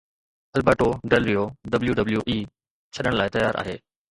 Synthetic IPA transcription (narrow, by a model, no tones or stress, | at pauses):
ɐlbəːʈoɖɐlɾijoɖɐbljuɖɐbljuʔiː | t͡ɕʰɐɗəɽ̃laːɪt̪ɐjaːɾʔa̰ːɦḛː